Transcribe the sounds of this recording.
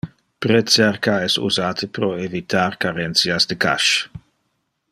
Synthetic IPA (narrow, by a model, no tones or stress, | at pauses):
pɾet͡sɛrkaɛsṵzaːt̪ʰəpɾoevit̪ʰaɾkaɾɛnt̪sjasd̪eka̰ʃ